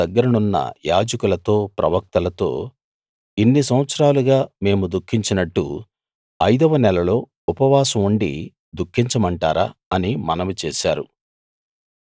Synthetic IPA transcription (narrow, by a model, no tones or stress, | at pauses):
ɐɡːɐɾɐnunːɐ̰jaːd͡ʒɐkulɐt̪o̞ːpɾɐ̰ʋɐk̚t̪ɐlɐt̪o̞̰ː | inːisɐwɐt̪sɐɾaːluɡaːme̞ːmud̪ukʰːiɲt͡ʃinɐʈːṵ | ɐjd̪ɐʋɐnɛlɐlo̞ː | upɐʋaːsɐmuɳɖḭ | d̪ukʰːiɲt͡ʃɐmɐɳʈa̰ːɾaːɐnimɐnɐmut͡ʃɛːʃaːɾu